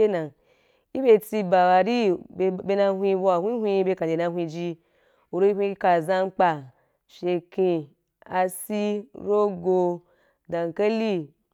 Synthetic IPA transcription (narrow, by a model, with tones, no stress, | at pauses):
e˦na˨ | i˦be˧ti˧ba˨wa˨ɾi˦˧be˧na˧ɦʷi˧˦bo˧a˨hʷi˦hʷi˧˦be˧ka˨d͡ʒe˨na˧ɦʷi˧d͡ʒi˧ | o˨ɾo˧˦hʷi˧˦ka˨za˧ŋ͡mk͡pa˧ | ʃe˧ki˧ | a˧si˦ɾo˦ɡo˧ | da˨ŋ˨ka˦li˦